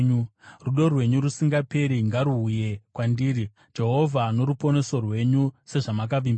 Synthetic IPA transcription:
uruɗo̞rwe̞ɲuɾusiŋɡape̞ɾiŋɡaɾuːje̞kwandiːri | d͡ʒe̞ɦo̞vʱano̞ɾupo̞ne̞so̞rwe̞ɲuse̞ʐamak̬aʋiːmb

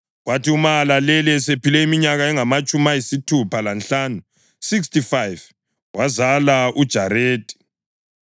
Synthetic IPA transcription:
watiumalalɛlɛsepilɛimiɲaɣaɛŋamat͡ʃʼumajisitʰupʰalanɬaːnu | sikstifajv | wazalaʔud̥ʒ̥ʱaɾeːtʼi̥

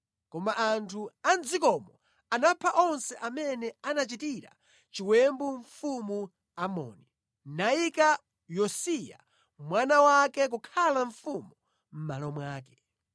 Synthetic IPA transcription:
kɔmaʔantʰuand͡zikɔmɔ | anapʰaʔɔnsɛʔamɛnɛanat͡ʃitiɾa̰ | t͡ʃiwɛmbuɱfumu | amɔ̰ːni | naika | jɔsija̰ | mwanawakɛk̬ukʰalaɱfumu | m̩malɔmwaːkɛ̥

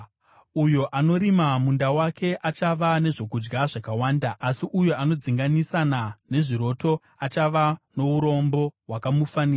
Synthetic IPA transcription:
ujo̞ʔano̞ɾimamundawakʰe̞ʔat͡ʃaʋane̞ʐo̞kud͡ʒɡaʐakawaːndaʔːsiʔujo̞ʔano̞d͡ziŋɡanisanane̞ʐiɾo̞to̞ | at͡ʃaʋano̞uɾo̞mbo̞ɦwakamufaniːra

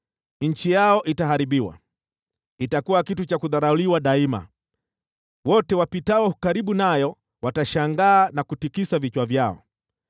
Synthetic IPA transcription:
ɲ̩t͡ʃijaɔʔitaɦaɾiɓiwa̰ | itakuwakitut͡ʃakuðaɾauliwaɗaima̰ | wɔtɛwapitawɔhukaɾiɓunajɔ | wataʃaŋɡaːnakutikisavit͡ʃwavjaɔ̰

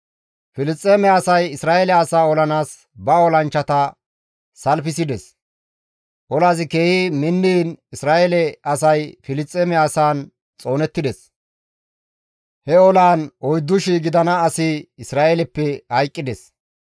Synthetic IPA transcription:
fɪlɪst͡sʼːeːmɛɐsɐjɪsɾaːelɛɐsaːɔlɐnaːs | bɐɔlɐnt͡ʃːɐt̪ɐ | sɐlfɪsɪd̪ɛs | ʔɔlaːzɪke̞ːhimɪnːiːnɪsɾaːelɛɐsɐjfɪlɪst͡sʼːeːmɛɐsaːn | t͡sʼo̞ːnɛt̪ːɪd̪ɛs | hɛɔlaːnɔjd̪ːʊʃiːɡɪd̪ɐnɐːsɪɪsɾaːelɛpːɛhɐjkʼːɪd̪ɛs

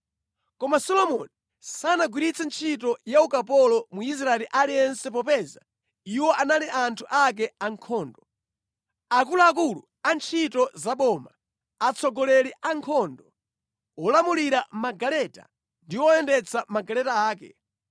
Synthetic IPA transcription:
kɔmasɔlɔmɔni | sanaɡwiɾit͡sʰɛnt͡ʃʰit̬ɔjaukapɔlɔmuis̬ɾaɛliʔaliɛnsɛp̬ɔpɛza̰ | iwɔanaliʔantʰuʔak̬ɛaŋkʰɔːndɔ | ak̬ulaak̬ulu | ant͡ʃʰitɔzaɓɔma | at͡sʰɔɡɔlɛliʔaŋkʰɔndɔ | ɔlamuliɾamaɡalɛta̰ | ndiwɔɛndɛt͡sʰamaɡalɛtaaːkɛ̰

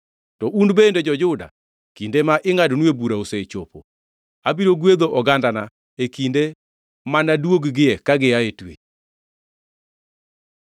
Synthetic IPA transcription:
tɔʔundbended͡ʒɔd͡ʒʊda̰ | kindemaʔɪŋadnwebuɾaoset͡ʃo̰po | abiɾoɡwed̪oʔɔɡandana | ekinde | manadwoɡɡɪɛkaɡɪjaetwḛ

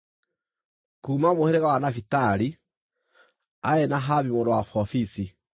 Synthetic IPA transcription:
kuːmamoheɾɛɣawanafitaɾi | aɛnaɦaβimodɔwafɔfisi

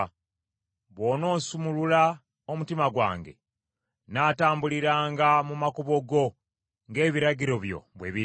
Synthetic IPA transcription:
βo̞ːno̞ːsumulula | omutimaɡwa̰ːŋɡe̞̰ | naːtaːmbuliɾaːŋɡamumakuβo̞ɡo̞ | ŋɡe̞ːβiɾaɟiɾo̞βjo̰βwe̞̰ːβi

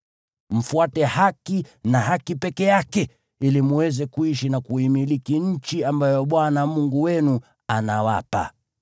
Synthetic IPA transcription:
m̩fuatɛhakinaɦakipɛkɛjakɛ | ilimuwɛzɛkuiʃinakuimilikiɲ̩t͡ʃiambajɔɓwanamuŋɡuwɛnu | anawa̰pa̰

